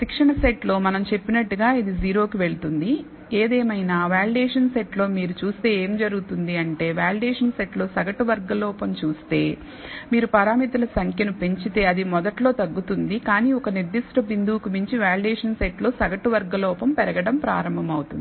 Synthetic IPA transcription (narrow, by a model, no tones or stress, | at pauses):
sikʂɐɳɐseʈlo̞ːmɐnɐmt͡ʃe̞pːinɐʈːuɡaːid̪id͡ʒiːɾo̞ːkiʋe̞ɭut̪und̪i | eːd̪eːmɐjnaːʋaːliɖeːʂɐnseʈlo̞ːmiːɾut͡ʃuːst̪e̞ːeːmd͡ʒɐɾuɡut̪und̪iɐɳʈe̞ːʋaːliɖeːʂɐnseʈlo̞ːsɐɡɐʈuʋɐɾɡɐlɔːpɐmt͡ʃuːst̪e̞ː | miːɾupɐɾaːmit̪ɐlɐsɐŋkʰjɐnupe̞ɲt͡ʃit̪e̞ːɐd̪imɔd̪ɐʈlo̞ːt̪ɐɡːut̪und̪ikaːniːɔkɐniɾd̪iʂʈɐbind̪ʱuːkumiɲt͡ʃiʋaːliɖeːʂɐnseʈlo̞ːsɐɡɐʈuʋɐɾɡɐlɔːpɐmpɛɾɐɡɐɽɐmpɾa̰ːɾɐmbʱɐmɐwut̪und̪i